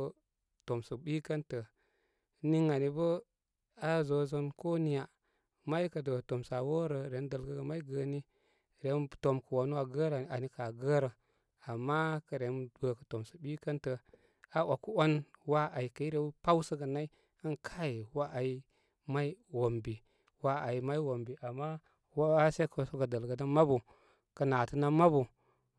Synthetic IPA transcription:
to˨msə˨ɓi˦kə˦ntə˨ | ni˦ŋa˨ni˨bə˦ | a˦zo˨zo˦nko˦ni˨ja˨ | ma˦i˦kə˨də˨to˨msa˨wo˦ɾə˨ɾe˨˦n˦də˨lɡə˦ɡə˨ma˦i˦ɡə˨ni˦ | ɾe˨˦nto˨mkə˨wo˨n˦wa˨ɡə˦ɾa˨˦a˨ni˦ka˨ɡə˦ɾə˨ | a˨mːa˦kə˨ɾe˨˦nbə˨kə˨to˨msə˨bi˦kə˦ntə˨ | a˦wʔa˨ku˦o˦nwa˦ʔa˨i˨kə˨i˦ɾe˨˦pa˦wsə˦ɡə˨na˦i˦ | ə˦nkʰa˦ji˨wa˦ʔa˨i˦ | ma˦i˦wo˨mbi˨ | wa˦a˨i˨˦ma˦i˦wo˨mbi˨ʔa˨mːa˦ | wse˦ko˨so˦ɡə˨də˨lɡə˨da˦ma˦bu˨ | kə˨na˨tə˦na˦ma˦bu˨

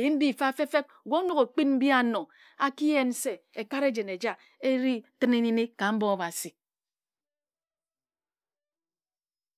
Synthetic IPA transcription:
ji˦n̩˦di˦˨fa˦fe˦fe˦p̚ɡʷo˦nu˦ko˨k͡pi˦nm̩˦bja˨nɔ˨ | a˦ki˦je˦n˦se˨e˨ka˦ɾe˦d͡ʒe˨ne˨d͡ʒa˦ | e˦ɾi˦tɨ˦ne˦ni˦ne˦ka˨m̩˦bɔ˦a˦˨ba˨si˨

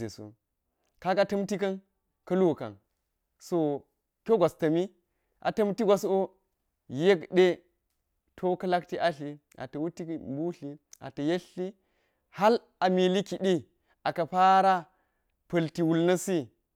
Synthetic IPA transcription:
ḛ˨sṵ˦ | ka˦ka˨˦tɐ˦mti˦kɐ˦n | kɐ˦lu˦˨kɐ̰˨n | so˨ | kʲo˦ɡʷa˨stɐ˨mi˦ | ʔa̰˨tɐ˦mti˦ɡʷa˨so˦ | je˦kɗe˦ | tʰo˦kɐ˦la˦kti˦ʔa˦ɬi˨ | a̰˨tɐ˨wu˦ti˦bu˦ɬi˦a̰˨tɐ˨je˦ɬi˦ | ha˦l | a˨mi˨li˦ki˨ɗi˦ | a˨kɐ˨pa˦ɾa˦ | pɐ˨lti˨wu˨lnɐ˦si˦

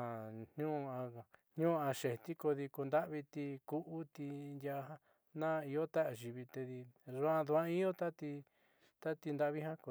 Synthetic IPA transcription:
a˨nɲũ˦˧ã˧˨ɲ̥ɲũ˦˧ã˧ʃe˨t̪i˦ko˧ði˧ku˧nd̪a˦ʔβi˧t̪i˧ku˦ʔu˦t̪i˧nd̪ja˧ɦa˦ | nã˦˧i˧jo˦t̪a˦ʔa˧˨ʒi˧βi˧t̪e˧ði˧ʐu˧˦ã˧ðu˧ã˦i˦o˦t̪a˦t̪i˧ | t̪a˦t̪i˧nd̪a˧˦ʔβi˦ɦã˦ko˧˨

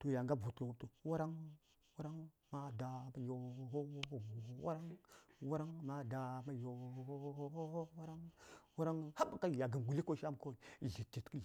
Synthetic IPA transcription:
to˨ja˨ŋɡa˦˨vu˨tka˨wo˨˦to˨wa˦ɾa˦ŋ | wa˦ɾa˦ŋ | ma˦˨da˨ma˦jo˨ɦo˦wwa̰˦ɾa˦ŋwa˦ɾa˦ŋma˦da˨ma˦jo˨˦o˦wa˦ɾa˦ŋwa˦ɾa˦ŋha˦ba˨ka˦˨ja˨ɡə˨mɡu˨li˦ko˦ʃa˦m˨ko˦i˨ɮi˨t͡ʃːi˨tkə˦˨

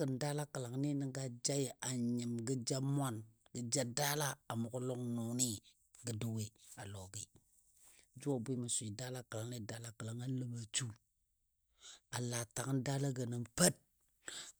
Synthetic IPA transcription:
ə˨nda˦la˦kə˨la˨ŋni˦nə˨ŋɡa˦d͡ʒa˦ja˨ɲi˨mɡə˦d͡ʒa˦mʷ˦a˦nɡə˨d͡ʒa˦da˦la˦a˨mu˨ku˦lo˦ŋnu˨ni˦ | ɡə˨du˦we˦a˨lo˨ɡi˦ | d͡ʒu˦o˦˨bi˦ma˨sʷu˨i˨da˦la˦kla˨ŋni˦da˦la˦kə˨la˨ŋa˦lə˦ɓa˨t͡ʃu˦ | a˨la˨ta˨ŋ˦nda˦la˦ɡə˨nə˨mpə˦t̚

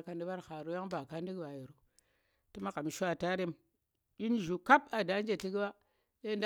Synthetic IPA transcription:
ka˨ndi˦ba˦ɾxa˨ɾu˦ja˦ŋba˨ka˦n˦di˦ɡba˨ji˨ɾu˨ | ti˦ma˦ka˨mi˨ʃu˦a˦˨ta˦ɾe˦m | i˦nʒu˨ka˦pa˨da˦n˦d͡ʒe˨ti˦ɡi˦ba˦ | ɗe˦n˦d

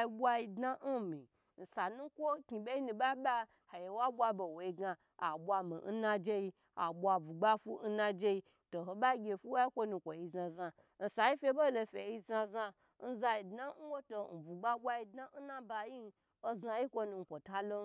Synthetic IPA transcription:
ji˧bʷa˧ji˧dna˦n̩˦mĩ˨ | n̩˨sa˨nũ˦kʷo˦kʲi˨be˦i˦nũ˧ba˦ɓa˦ | ha˨je˨wa˦bʷa˧bo˨wo˨i˧ɡa˧ | a˨bʷa˧mḭ˨n̩˦nã˧d͡ʒe˦i˧ | a̰˨ɓʷa˧bu˨ɡ͡ba˦fu˦n̩˦na˧d͡ʒe˧i˧ | to˨ɦo˨ɓa˦ɡʲe˧˨fu˦wa˦i˦kʷo˦nu˧˨kʷo˨i˧za˧za˧ | n̩˨sa˨i˦fʲe˧˦bo˦lo˧fʲe˨i˧za˧za˧ | n̩˦za˧ji˧dna˦n̩˦wo˦to˧n̩˨bu˨ɡ͡ba˦ɓʷa˧ji˧dna˦n̩˦na˦ba˧ji˦n˧ | o˦za˧ji˦kʷo˦nu˧ŋ̩˨kʷo˨ta˦lo˦

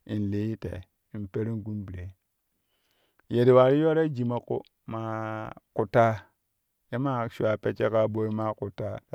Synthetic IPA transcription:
i˨n˨li˨˦ji˦tḛ˨ | i˨m˨pe˦ɾi˦ɡu˦mbi˨ɾe˨ | je˨ɾi˨wa˨ɾi˦jo˦ɾa˦d͡ʒi˨ma˦kṵ˦ | ma˨ku˨ta˦ | ja˦ma˦ʃu˦a˨pe˦t͡ʃe˦ka˦bo˦i˦ma˦ku˨ta˦˨

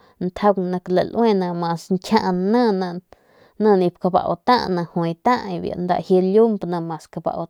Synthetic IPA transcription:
nt̪ʰa˧wnã˧kla˨lʔwẽ˦˧nã˧mã˧sŋkʲʰã˦˧ʔnə̃˦˧nã˧ | nə̃˧nĩ˧p̚ka˧ba̰˨wt̪ã˦˧ʔnã˧hwẽ˧jt̪ã˦ʔi˧bja̰˧ʔnd̪a̰˧ʔhje˧lju˦mbnã˧mã˨ska˧ba̰˧ʔw

